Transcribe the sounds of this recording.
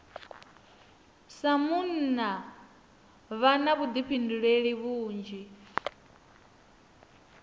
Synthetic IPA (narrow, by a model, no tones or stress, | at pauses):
samunna | βanaβud̪ipʰinduɺeɺiβuːnd͡ʒi